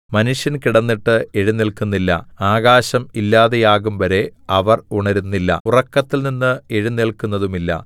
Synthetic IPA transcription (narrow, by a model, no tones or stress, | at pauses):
mɐnuʂjɐnkiɽɐnːiʈːɨeɻinːiɭkunːilːɐ̰aːɣaːɕɐmilːaːðe̞jaːɣumʋɐɾe̞ɐʋɐruɳɐɾunːilːɐ̰urɐkːɐt̪ːilninːɨeɻinːeɭkunːɐðumilːɐ̰